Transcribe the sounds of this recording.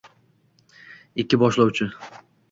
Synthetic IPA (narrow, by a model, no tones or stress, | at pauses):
ɪkʲːɪbɒʃlawt͡ʃʰɪ